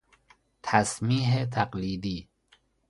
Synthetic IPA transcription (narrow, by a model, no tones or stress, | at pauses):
t̪ʰasmiːɦet̪ʰaqliːd̪iː